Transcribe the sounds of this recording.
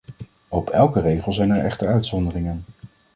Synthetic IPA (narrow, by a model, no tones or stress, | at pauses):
opʰɛlˠkərejχəlˠzɛjnɛɹɛ̰χtəɹœɥtsɔndərɪŋən